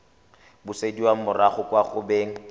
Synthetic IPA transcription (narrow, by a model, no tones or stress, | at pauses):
bʊsediwaŋ̩mʊraχʊkʼwaχʊbeːŋ̩